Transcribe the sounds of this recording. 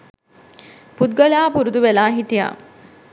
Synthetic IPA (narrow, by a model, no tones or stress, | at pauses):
put̪̚ɡalaːpuɾud̪uʋelaːɦit̪ija̰ː